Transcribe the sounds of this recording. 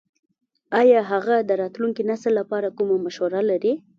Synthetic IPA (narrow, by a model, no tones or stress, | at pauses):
ɑjɑɦaɣad̪əɾɑt̪luŋkinasəlːapɑɾakumamaʃwaɾalaɾi